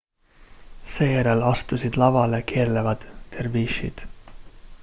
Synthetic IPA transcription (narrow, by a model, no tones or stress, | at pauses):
se̞ːjæɾelɑst̪usid̪̥lɑvɑle̞keːrlevɑd̪̥ːerviːʃḭd̪̥